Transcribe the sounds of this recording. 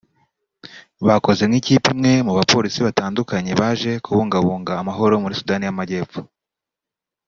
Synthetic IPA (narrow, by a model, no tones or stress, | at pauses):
βako̞ze̞mŋiciːpimŋe̞muβapo̞ɾisiβataːndukaɲe̞βaːʒe̞kuβuːŋɡaβuːŋɡaːmaɦo̞ɾo̞muɾisudaːnijamaɟe̞ːpp͡fu̥